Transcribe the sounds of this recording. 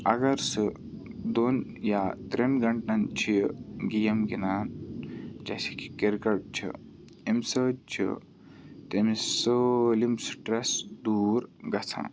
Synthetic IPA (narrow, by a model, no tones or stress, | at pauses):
ɐɡɐɾsɨ | d̪onjat̪ɾenɡɐɳʈnɐnt͡ʃʰiɡijɐmɡinaːn | d͡ʒɐ̰si̥ki̥keɾkɐɾʈ̚t͡ʃʰḭ | emʲsət͡ʃʰḭ | t̪emisɨlimsʈɾɐsd̪uːɾɡɐt͡sʰã̰